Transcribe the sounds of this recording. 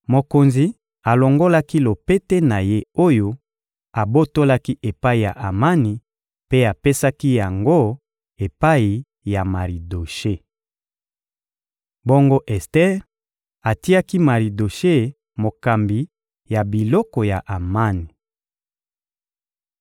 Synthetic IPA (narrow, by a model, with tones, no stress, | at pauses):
mo˨ko˨nzi˨˦ | a˨lo˨ŋɡo˦la˦ki˦lo˨pe˦te˦na˨je˦o˦jo˦ | a˨bo˦to˦la˦ki˦ʔe˨pa˦i˨ja̰˨ʔa˨ma˦ni˨ | pe˦a˨pe˦sa˦ki˦ja˨ŋɡo˦ | e˨pa˦i˨ | ja˨ma˨ʁi˨do˨ʃe˦ | bo˦ŋɡo˦ʔɛ˨stɛ˦ʁ | a˨ti˦a˦ki˦ma˨ʁi˨do˨ʃe˦ | mo˨ka˨mbi˨ | ja˨bi˨lɔ˦kɔ˨ja˨ʔa˨ma˦ni˨